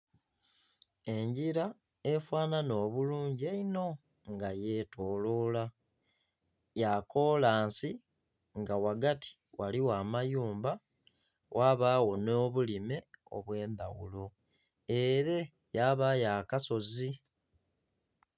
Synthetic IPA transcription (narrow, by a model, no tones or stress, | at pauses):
e̞ɲɟiɾa | efwaːnano̞ːβuluːɲɟieino̞ | ŋɡaje̞tʰo̞ːlo̞la | jako̞laːnsi | ŋɡawaɡatʰi̥ | waliwaːmajuːmba | wʔaβaːwo̞no̞ːβulime̞o̞̰βwe̞ːndawulo̞ | e̞ɾe̞ | jaβajaːkaso̞zi